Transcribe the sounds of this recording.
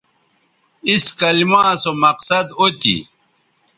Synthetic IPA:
iskɐlimãːsomɐqsɐd̪ot̪ḭ

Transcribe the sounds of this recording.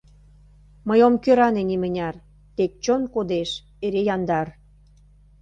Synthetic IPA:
məjomkøɾɑnenimənʲɑr | t̪ek̚t͡ɕonkod̪eʃ | eɾejɑnd̪ɑr

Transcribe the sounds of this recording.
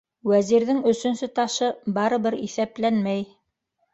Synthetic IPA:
wæziɾðɘŋɵ̆sɵ̆nsɵt̪ɑʃɤbɑɾɤ̆βɘɾiθæplænmæj

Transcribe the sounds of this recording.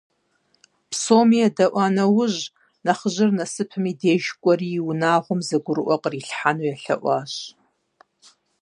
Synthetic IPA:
psoːmijɛdɐʔʷɑːnɐwʊʑ | nɐχəʑɪrnɐsɨpʰɨmiːdeːʒkʷʼɔrijwʊnaːʁʷʊmzɐɡʷʊɾɨʔʷɔqʼriːɬħanujɛɬɐ̰ʔʷɑːɕ

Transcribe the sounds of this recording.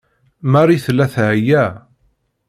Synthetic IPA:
mæɾiθlːæθʕjæ

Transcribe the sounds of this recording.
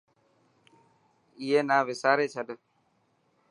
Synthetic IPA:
ɪɦeːnaːʋɪsaːɾeːt͡ʃʰəɗ

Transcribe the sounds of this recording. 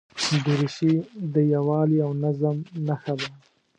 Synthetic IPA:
d̪əɾɪʃid̪əjawɑliawnazamnaxad̪a

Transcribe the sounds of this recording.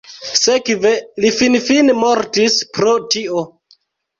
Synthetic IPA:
sekvelifinfinmoɾtispɾo̞tio

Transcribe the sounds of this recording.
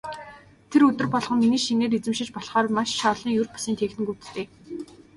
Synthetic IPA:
t̪ʰeɾɵt̪ɵ̆rpɔɮʁɞ̆mminiːʃiŋneːɾit͡sɘ̆mʃɪ̆t͡ɕpɔɮχɔːr̆maʃʃɔːɮiːŋjɵrpḁsiːnt̪ʰeːxt̪ɘ̆ŋkuwt̪t̪ʰeː

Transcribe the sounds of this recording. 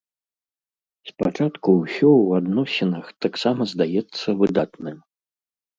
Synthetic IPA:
spat͡ʂat̪kuwsʲɔwad̪nɔsʲinɐxt̪aksamɐzd̪ajɛt̪sːɐvɨd̪at̪nɨm

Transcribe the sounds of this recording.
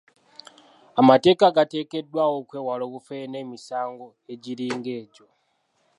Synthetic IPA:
amate̞ːkaɡate̞ːke̞dwawokwe̞ːwalokufene̞ːmisaːŋɡo̞ | e̞ɟiɾiːŋɡe̞ːɟo̞

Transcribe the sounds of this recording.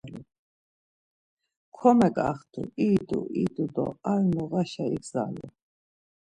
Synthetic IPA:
lu | kʰɔmɛkʼa̰χt̪ʰṵiːd̪ṵʔid̪ud̪ɔ̰aɾnɔɣaʃaiɡza̰lɛ̰

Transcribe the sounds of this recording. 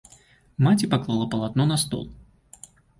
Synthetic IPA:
mat͡sʲipaklˠalˠapɐlˠat̪nɔnast̪ɔ̰lˠ

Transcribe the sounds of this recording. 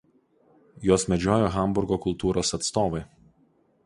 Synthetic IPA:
joːsmʲɛd͡ʒʲoːjoːɣɐˑmbʊɾɡoːkʊlˠt̪uːɾoːsɐt̪st̪oːʋɐɪ

